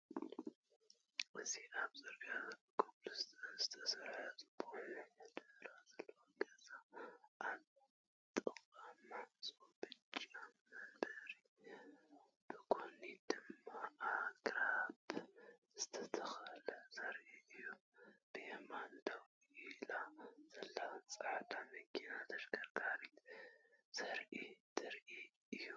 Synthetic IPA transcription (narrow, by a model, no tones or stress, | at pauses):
ʔɨziʔaβzɐɾɡaɨkʰoβlɨst̪zɨt̪ʰɐsɐɾajazʼɨbʰonɐd̪ɐɾazɐlːowoɡɐzaʔal | t̪ʼɨkʼamasʼobɨt͡ʃʼamɐbɐɾi | b̥ɨkʰonid̪ɨmːaaɡɾabzɨt̪ʰɐt̪ʰɐxalɐzɐɾʔiɨjomb̥ɨhemand̪aw | ilaz̥ɐlːat͡sʼaʕd̪amɨkʰːinat̪ʰɐʃɡɐɾɡaɾit̪ | z̥ɐɾʔid̪ʰɨɾʔi | ʔɨju